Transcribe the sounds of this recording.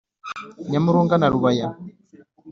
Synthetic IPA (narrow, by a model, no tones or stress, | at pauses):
ɲamuɾuŋɡanaɾuβaja